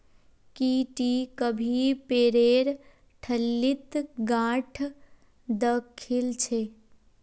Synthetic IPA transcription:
kiʈikəbʱipeːɾeːɾ | ʈʰəlːit̪ɡãːʈʰ | d̪əkʰilt͡ʃʰe

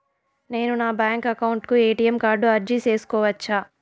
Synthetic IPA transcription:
ne̞ːnunaːbjaːŋkɐkɐwuɳʈkueːʈijɐmkaːɾɖuɐɾd͡ʒit͡ʃe̞ːsu̥kɔːʋɐt͡ʃːaː

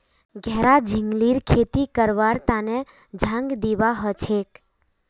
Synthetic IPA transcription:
ɡʱɛːɾad͡ʒʱɪŋɡliɾkʰet̪ikəɾʋaɾt̪ane | d͡ʒʱãŋɡd̪iʋaɦət͡ʃʰek

